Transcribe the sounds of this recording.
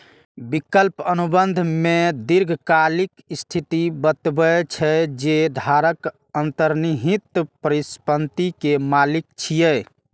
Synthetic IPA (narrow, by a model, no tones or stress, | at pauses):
bikəlpənubənd̪ʱmed̪iɾɡʱkalikst̪ʰit̪ibət̪bət͡ʃʰɛd͡ʒed̪ʱaɾək | ənt̪əɾniɦit̪pəɾispənt̪ikemalik̚t͡ʃʰijɛ